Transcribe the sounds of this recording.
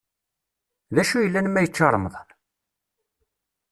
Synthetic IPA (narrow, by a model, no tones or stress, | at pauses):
ðæʃujəlːænmːæjət͡ʃːɑɾˤəməðˤn